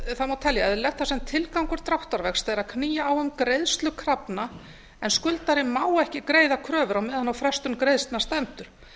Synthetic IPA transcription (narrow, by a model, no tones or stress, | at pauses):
θamawt̪ʰɛljaɛðɪlɛxt̪θasɛmt̪ʰɪlkawŋkʏɾ̥t̪ɾawht̪aɾvɛxst̪θejɾaðkʰniːjaːwʏmkɾejðst̪lʏkʰɾapna | ɛnskʏlt̪aɾɪmaːwɛhcɪkɾeːjðakʰɾœːvʏɾawmɛðhanːawfɾɛst̪ʏmkɾejðst̪nast̪ɛmt̪ʏɾ̥